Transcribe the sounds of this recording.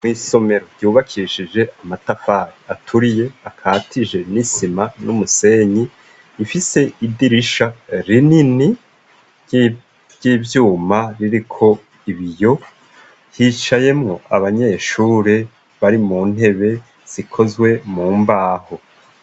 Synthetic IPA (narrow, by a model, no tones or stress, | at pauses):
mwiːso̞me̞ɾoɾɟuːβakʰiʃid͡ʒe̞amatafaɾiatʰuɾije̞akʰaːtʰid͡ʒe̞nisimanumuse̞ɲiː | fise̞ʔidiɾiʃaɾinini | ɟiːvjuːmaɾiɾikʰo̞ | iβijo̞ | hit͡ʃaje̞mŋo̞ʔa̰βaɲe̞ʃuːɾe̞ | βaɾimuːn̥he̞βe̞ | z̥ikʰo̞zwe̞muːmbaːho̞